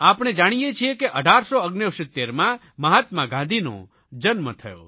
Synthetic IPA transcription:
apɽ̃ed͡ʒaɽ̃ijet͡ʃʰiekeʔəɖʱaɾsoəɡnewsɪt̪ːeɾmã | məɦat̪mãɡãnd̪ʱino̰ | d͡ʒənmət̪ʰəjo̰

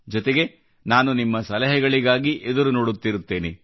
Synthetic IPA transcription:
d͡ʒɔt̪eɡe̞ | naːnunimːɐsɐlɐɦɛɡɐɭiɡaːɡiʔed̪uɾuno̞ːɽut̪ːiɾut̪ːe̞ːnḛ

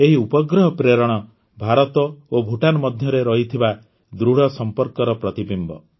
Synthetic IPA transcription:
eɦiupɔɡɾɔɦɔpɾeɾɔɽ̃ɔ | bʱaɾɔt̪ɔobʱuʈanɔmɔd̪ʱjɔɾeɾɔɦit̪ʰiba | d̪ɾuɽ̤ɔsɔmpɔɾkɔɾɔpɾɔt̪ibimbɔ̰

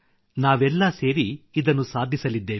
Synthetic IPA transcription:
naːʋɛlːɐse̞ːɾiid̪ɐnːusaːd̪ʱisɐlid̪ːe̞ː

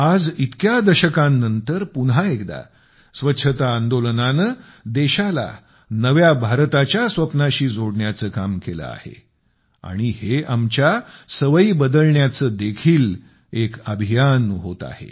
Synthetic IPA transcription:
ad͡zit̪kjad̪əɕəkãnːənt̪əɾpunɦaekd̪a̰ | sʋətːɕʰət̪aːnd̪olənanə | d̪eɕala̰ | nəʋjabʱaɾt̪at͡ɕjasʋəpnaɕiːd͡zʱoɽɳjat͡səːkamkelə̰a̰hḛ | a̰ɽ̃iheamt͡ɕjasəʋəibəd̪əlɳjat͡səːd̪ekʰiːl | ekəbʱijanɦot̪a̰hḛ

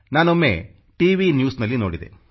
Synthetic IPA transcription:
naːnomːḛ | ʈiːʋinjuːsnɐlːinoːɽid̪ḛ

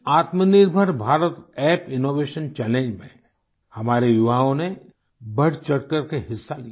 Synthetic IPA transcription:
aːt̪mənɪɾbʱəɾbʱaːɾət̪ɛːpɪnoːʋeːʃənt͡ʃɛːlẽːɲd͡ʒmẽ | hɐmaːɾejʊʋaːõne | bɐɽ̤t͡ʃɐɽkəɾkeɦɪsːali

